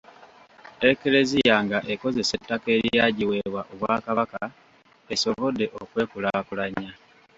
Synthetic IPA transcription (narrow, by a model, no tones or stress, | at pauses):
e̞ke̞le̞zijaːŋɡaʔe̞ko̞ze̞se̞tːake̞ːɾjaːɟiwe̞βwaʔoβwaːkaβaka | e̞so̞βo̞dːe̞ʔokwe̞ːkulakulaɲa